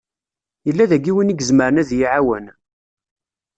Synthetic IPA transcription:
jəlːæðæɡiwəniɡəzməɾənæðjiʕawən

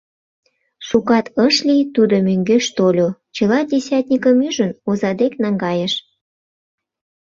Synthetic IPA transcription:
ʃukɑt̪əʃlʲit̪ud̪omøŋɡøʃt̪olʲot͡ɕəlɑdʲesʲɑt̪ʲnʲikəmyʒənozɑd̪eknɑŋɡɑjəʃ

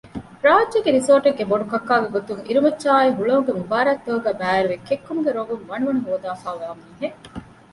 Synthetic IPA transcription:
ɾaːʋɐdʒɐɡeɾisoːʈeɡːeboɖukɐkːaːɡeɡot̪uŋiɾumɐtːʃaːiɦuɭɐuŋɡemubaːɾɐt̪ːoːuɡæːbæːɾuʋekekːumuɡeɾoɡumʋɐɳuʋɐnuɦoːd̪aːfaːʋæːɐmuiɦe

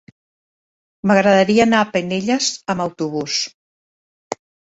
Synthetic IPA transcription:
məɣɾəðəɾiəːnapəneʎəzəməwt̪uβ̞us

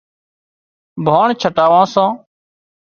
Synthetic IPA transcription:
bʱaːɳt͡ʃʰəʈaːʋãːsãː

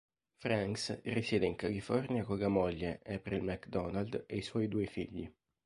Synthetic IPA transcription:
fɾaŋksrisjɛːd̪eiŋkalifɔrnjakɔɡamɔʎːeʔɛpɾilmakd̪ɔnald̪ejswɔjd̪uːefḭʎːḭ

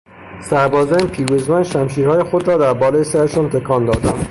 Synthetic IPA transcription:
sæɾbɒːzænpʰiːɾuzmænʃæmʃiːɾhɒːjexod̪ɾɒːd̪æɾbɒːlejesæɾeʃɒnt̪ʰekʰɒːnd̪ɒːd̪æm

